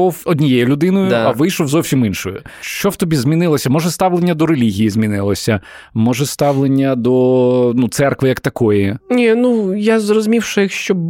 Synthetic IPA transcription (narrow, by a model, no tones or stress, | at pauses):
ɔwɔd̪ʲnʲijɛjʊlʲʊd̪ɪnɔjʊɐʋɪjʃɔwzɔwsʲiminʃɔjʊ̰ʃt͡ʃɔwt̪ɔbʲizʲmʲinɪlˠɔsʲɐmɔʒɛst̪ɑwlˠenʲːɐd̪ɔɾelʲiɦʲijizmʲinɪlˠɔsʲɐ | mɔʒɛst̪ɑwlˠenʲːɐd̪ɔnut̪sɛrkʋɪjɐkt̪ɐkɔjinʲinujazrɔzʊmʲiwʃɪjixʃt͡ʃɔb